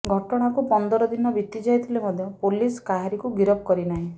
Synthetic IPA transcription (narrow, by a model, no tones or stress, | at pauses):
ɡʱɔʈɔɽ̃akupɔnd̪ɔɾɔd̪inɔbit̪id͡ʒajt̪ʰilemɔd̪ʱjɔpoliskaɦaɾikuɡiɾɔb̚kɔɾinaɦĩ